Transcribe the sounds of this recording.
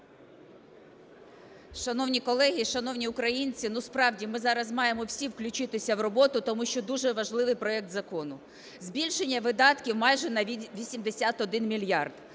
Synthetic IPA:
ʃɐnɔwnʲikɔlˠɛɦʲiʃɐnɔwnʲiʊkɾɐjinʲt͡sʲinuspɾɑwdʲimɪzɑɾɐzmɑjemɔwsʲiwklʲʊt͡ʃɪt̪ɪsʲɐwrɔbɔt̪ʊt̪ɔmuʃt͡ʃɔd̪uʒɛʋɐʒlˠɪʋɪjpɾɔɛk̚t̪zɐkɔnʊ | zbʲilʲʃenʲːɐʋɪd̪ɑt̪kʲiwmɑjʒɛnɐʋʲisʲimd̪esʲat̪ɔd̪ɪnmʲilʲjɑrd̪̥

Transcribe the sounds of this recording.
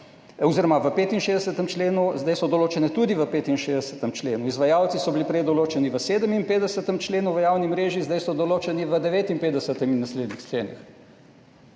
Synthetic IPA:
ɔziːɾɔmaʋəpeːt̪inʃeːzd̪ɛsət̪əmt͡ʃleːnuzd̪ajsɔd̪ɔloːt͡ʃɛnɛt̪ud̪iʋəpeːt̪inʃeːzd̪ɛsə̥t̪əmt͡ʃlḛːnuizʋajaːwt̪sisɔbilipɾɛjd̪ɔloːt͡ʃɛniʋəseːd̪əminpeːd̪ɛsət̪əmt͡ʃleːnuʋəjaːwnimɾeːʒizd̪ajsɔd̪ɔloːt͡ʃɛniʋəd̪ɛʋeːt̪impeːɛsət̪ɛminːasleːd̪nixt͡ʃleːnḭx

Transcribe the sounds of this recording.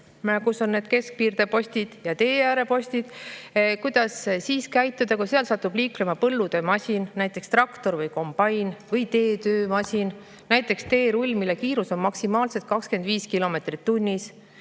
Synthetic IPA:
kuso̞nne̞ːd̪̥ke̞sk̚piːrd̪̥e̞po̞sʲt̪id̪̥jɑt̪e̞ːjæːɾe̞po̞sʲt̪id̪̥kujd̪̥ɑssiːskæjt̪ːˑud̪̥ɑkuseɑlsɑt̪ːub̥liːklemɑpɤlːud̪̥e̞mɑsʲinnæjt̪ːˑe̞kst̪rɑkt̪o̞ɾvɤjko̞mb̥ɑjnvɤjt̪e̞ːt̪øːmɑsʲin | næjt̪ːˑe̞kst̪e̞ːɾulʲːmilːekiːɾuso̞nmɑksimɑːlse̞t̪̚kɑkske̞nd̪viːskilo̞me̞t̪rit̪ːunʲːis

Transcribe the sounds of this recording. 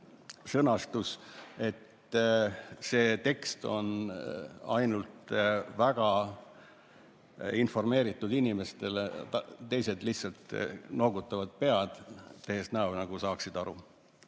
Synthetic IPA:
sɤnɑst̪use̞t̪ | se̞ːt̪e̞kst̪o̞̰n | ɑjnult̪væɡ̥ɑ | info̞rme̞ːɾit̪ːˑud̪inime̞st̪e̞lt̪t̪ːe̞jse̞d̪lihsɑlt̪no̞ːɡut̪ˑːɑvɑd̪̥̚pe̞ɑd̪̥t̪ːehest̪nɑwnɑɡ̥usɑːksid̪̥ɑɾu

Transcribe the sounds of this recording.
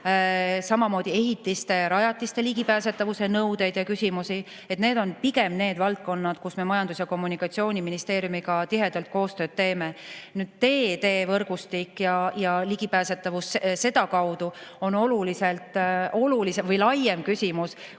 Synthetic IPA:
sɑmɑmo̞ːd̪̥ʲie̞ɦit̪ːˑist̪e̞ɾɑjɑt̪ːˑist̪e̞liɡ̥ipæːse̞t̪ːˑɑvuse̞nɤwd̪̥e̞jd̪jɑkysʲimusi | e̞t̪ne̞ːd̪o̞npiɡe̞mne̞ːd̪̥vɑlt̪̚ko̞nːɑd̪̥kusme̞mɑjɑnd̪̥usjɑko̞mːunikːˑɑt̪sio̞ːnʲiminist̪e̞ːɾjumiɡɑt̪iɦe̞d̪̥ɑlt̪̚ko̞ːst̪øːd̪̥t̪e̞ːme̞nyːd̪̥t̪e̞ːt̪e̞ːvɤrɡ̥ust̪ikːjɑjɑliɡ̥ipæːse̞t̪ːˑɑvusse̞d̪ɑkɑwd̪̥uo̞no̞luliselt̪ˑo̞lulisevɤjlɑjemkysʲimus

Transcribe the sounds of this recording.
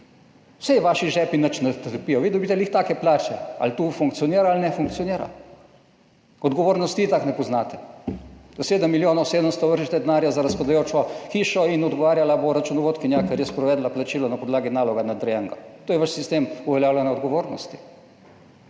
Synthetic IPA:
wsɛjɛʋaʃiʒɛːpinət͡ʃnɛt̪əɾpijɔʋid̪ɛwbit̪ɛliːxt̪aːkɛplaːt͡ʃɛa̰lt̪ufuŋkt̪sijɔniɾaːlnɛfuŋk̪̚sioniːɾa̰ | ɔd̪ɡɔʋoːɾnɔst̪it̪aknɛpɔznaːt̪ɛ̥ | d̪̥oseːd̪əmːiljoːnoseːd̪əmst̪ɔʋəɾʒit̪ɛd̪ɛnaːɾjazaɾaspad̪ajoːt͡ʃɔxiːʃɔinɔd̪ɡɔʋaːɾjalaboɾat͡ʃunɔʋoːt̪kinjakaɾjɛspɾɔʋɛːd̪laplat͡ʃiːlɔnapɔd̪laːɡinaːlɔɡanad̪ɾjɛŋɡɔt̪oːjɛʋaʃsist̪eːmuʋɛljaːwlʲɛnaɔd̪ɡoʋoːɾnɔst̪i̥

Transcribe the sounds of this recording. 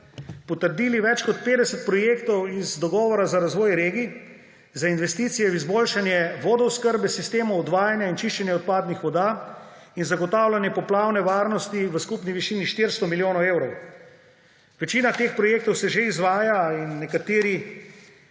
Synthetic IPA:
pɔt̪əɾd̪iːliʋɛt͡ʃkɔt̪̚peːd̪ɛsɛt̪̚pɾɔjeːkt̪ɔwizd̪ɔɡɔːʋɔɾazaɾazʋɔːjɾeːɡi | zainʋɛst̪iːt̪sijɛizboːlʃanjɛʋɔːd̪ɔʊskəɾbɛsist̪eːmɔɔd̪ʋaːjanjaint͡ʃiʃt͡ʃɛnjɛɔt̪̚paːd̪nixʋɔd̪aː | inzaɡɔt̪aːwlʲanjɛpɔplawnɛʋaːɾnɔst̪iʋəskupniʋiʃiːniʃt̪iɾst̪ɔmiljoːnɔweːwɾɔw | ʋɛt͡ʃiːnat̪eːxpɾɔjeːk̚t̪ɔwsɛʒeizʋaːjainːɛkat̪eːɾi

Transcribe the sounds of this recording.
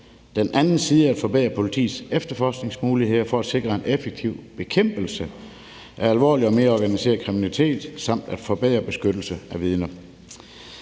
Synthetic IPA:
d̥enʔænn̩siːðˠəæd̥fɒ̽b̥ɛ̰ːɐpʰo̝lit͡sʰḭːsefd̥ɐfɒːsɡ̥ne̝ŋsmuːlihe̝ð̰ˠɐfɒ̽æd̥se̝ɡ̥ʁɐe̝nefeɡ̥̚t͡sʰiʊ̰b̥e̝kʰem̰b̥l̩sə | ʔæɐælʋɒ̰ːliɒ̽me̝ːɐɒːɡ̥ænise̝̰ːɐðˠkʰʁiminælit͡sʰe̝̰ːd̥sɑ̈m̰d̥æd̥fɒ̽b̥ɛ̰ːɐb̥e̝sɡ̥ød̥l̩səæʋið̞ˠnɐ

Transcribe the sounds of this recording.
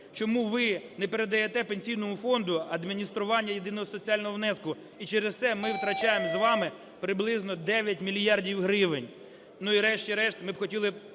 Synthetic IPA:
t͡ʃɔmuʋɪnɛpeɾed̪ɐjet̪ɛpenʲsʲijnɔmʊfɔnd̪ʊɐd̪mʲinʲist̪ɾʊʋɑnʲːɐjed̪ɪnɔɦɔsɔt͡sʲiɑlʲnɦɔʋnɛskʊ | it͡ʃɛɾest̪sɛmɪwt̪ɾɐt͡ʃɑjemzʋɑmɪ | pɾɪblˠɪznɔd̪ɛʋʲjɐt̚ʲmʲilʲjɑrdʲiwɦɾɪʋɪnʲ | nuiɾɛʃt͡ʃʲiɾɛʃt̪mɪbxɔtʲilˠɪ

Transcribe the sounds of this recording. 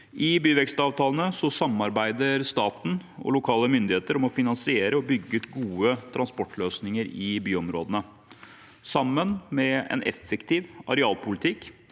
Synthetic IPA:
ʔɪbyːʋɛkst̪ɑːʋt̪ʰɑːlənəsɔsɑmɑɾbæɪd̪əɾst̪ɑːt̪n̩ɔ̰lʊkʰɑːləmʏnd̪ɪheːt̪əɾɔmɔfɪnɑnsɪeːɾəɔbʏɡːəʉt̪ɡuːət̪ʰɾɑnspɔʈːløːsnɪŋəɾɪbyːɔmɾoːd̪ənə | sɑmːənmɛɛ̰nɛ̰fːɛkt̪ʰɪːʋɑ̰ɾɛɑːlpʰʊlɪt̪ʰɪkː

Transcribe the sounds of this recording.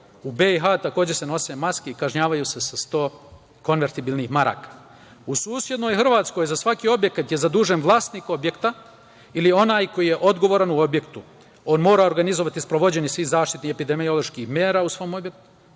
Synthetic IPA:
ubeiɦat̪ako̞ːd͡ʑe̞se̞no̞semaskeikaʒɲaːʋajuse̞sast̪o̞ː | ko̞nʋe̞ɾt̪ibilˠnixmaɾa̰ːkḁ | usuːsje̞d̪no̞jxr̩ʋaːt̪sko̞jzasʋakio̞bje̞kat̪je̞zad̪uːʒenʋlˠaːst̪niko̞bje̞kt̪a | ilio̞naːjko̞jije̞ʔo̞d̪ɡo̞ʋo̞ːɾanuo̞bje̞kt̪u | o̞ːnmo̞ːɾao̞ɾɡanizoʋat̪ispɾoʋo̞d͡ʑe̞nisʋiːhzaːʃt̪it̪nihepid̪e̞mio̞lˠo̞ʃkixmjeːɾaːusʋo̞ːmo̞bjek̚t̪u̥

